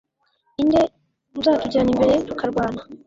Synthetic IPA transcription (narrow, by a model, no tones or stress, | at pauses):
inde̞ | tuzaːatuɟiɾanimbe̞ɾe̞tukaɾɡwaːna